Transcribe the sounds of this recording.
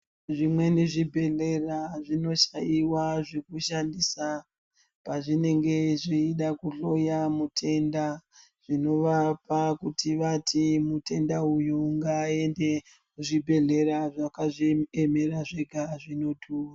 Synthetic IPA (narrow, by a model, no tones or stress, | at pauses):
ʐimwe̞neʐibʱe̞ɮe̞raʐino̞ʃaiwaʐe̞kuʃandisa | paʐine̞ŋɡe̞ʐiiɗakuɬo̞jamutʰe̞nda | ʐ̥ino̞ʋapakutʰiʋatʰimute̞ndaujuŋɡaːe̞nde̞ | muʐibʱe̞ɮe̞ɾaʐakaʐeme̞raʐe̞ɡʱaʐino̞dʱuːwa